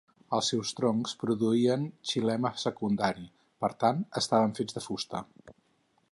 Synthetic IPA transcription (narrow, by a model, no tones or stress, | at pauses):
əlˠsːɛwst̪ɾɔŋspɾuðuiənt͡ʃilɛməsəkund̪aɾi | pəɾt̪anəst̪aβəɱfed͡zðəfust̪ə̰